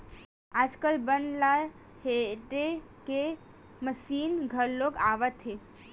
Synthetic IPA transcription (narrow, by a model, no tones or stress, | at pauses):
aːd͡ʒkəlbənla | heʈe | ke | məsiːnɡʱəɾloɡaːʋət̪ɦe